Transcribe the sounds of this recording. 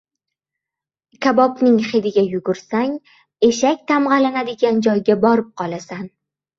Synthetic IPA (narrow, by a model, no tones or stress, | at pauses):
kʲʰabɒpnɪŋχed̪ɪɡʲajʊɡʊɾsaŋ | e̞ʃakʲt̪ʰamʁɑlanad̪ɪɡʲand͡ʒɒjɡʲabɒɾɪp̚qʰɒlˠasan